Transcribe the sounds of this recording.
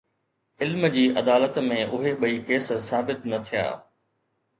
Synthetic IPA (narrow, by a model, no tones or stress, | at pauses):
ɪlmd͡ʑiːʔɐd̪aːlət̪mẽʔʊɦeɓɐiːkeːssaːbɪt̪nɐt̪ʰija̰ː